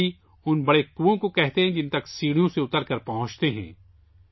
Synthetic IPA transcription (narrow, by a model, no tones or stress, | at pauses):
i | ʊnbɐɽekuːõkokɛɦt̪eɦɛ̃d͡ʒɪ̃nt̪ɐksiːɽijõseʊt̪əɾkɐɾpɐɦʊ̃t͡ʃt̪eɦɛ̰̃ː